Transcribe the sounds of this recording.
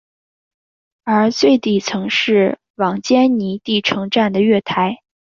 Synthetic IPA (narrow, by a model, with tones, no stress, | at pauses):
ə˞˧˥t͡swe˥˧ɪt̪i˨˩t͡sʰɤ˧˥ŋʂɻ̩˥˩ | wɑ˨˩ŋt͡ɕjɛ˥nni˧˥t̪i˥˩ʈ͡ʂʰɤ˧˥ŋʈ͡ʂa˥˩nd̪ə˩ɥɛ˥˩t̪ʰa˧˥ɪ